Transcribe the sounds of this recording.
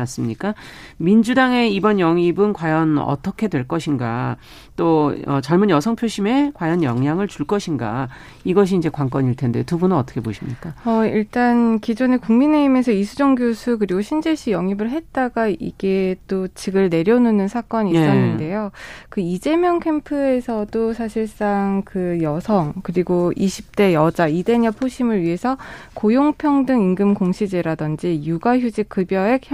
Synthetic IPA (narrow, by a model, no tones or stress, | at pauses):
as͈ɯmɲik͈amind͡ʑudaŋe̞ibʌnjʌŋibɯnkwajʌnʌ̰tʰʌkʰe̞dwe̞ɭk͈ʌɕʰinɡa̰ | t͈oʌt͡ɕʌɭmunjʌsʰʌŋpʰjoɕʰime̞kwajʌnjʌŋjaŋɯɭt͡ɕuɭk͈ʌɕʰinɡa̰ | iɡʌɕ̬ʰiːnd͡ʑe̞kwaŋk͈ʌɲiɭtʰe̞nde̞otubunnʌt͈ʌ̥kʰe̞boɕʰimɲik͈aʌḭɭt͈ankid͡ʑune̞kuŋmine̞ime̞sʰʌisʰud͡ʑʌŋɡjosʰuk̬ɯɾiɡoɕʰind͡ʑeɕʰijʌŋibɯɭɦe̞t̚t͈aɡaḭɡ̥e̞t͈ot͡ɕiɡɯɭne̞ɾjʌnunɯnsʰak͈ʌɲis͈ʌnːnde̞jokɯid͡ʑe̞mjʌŋkʰe̞mpʰɯe̞sʰʌdosʰaɕʰiɭs͈aŋkɯjʌsʰʌŋkɯɾiɡoiɕʰip̚t͈e̞jʌd͡ʑaide̞ɲʌpʰoɕʰimɯɭɥiɦe̞sʰʌkojoŋpʰjʌŋdɯŋiŋɡɯmkoŋɕʰid͡ʑeɾadʌnd͡ʑijuɡaçjud͡ʑik͈ɯbjʌɦe̞k̚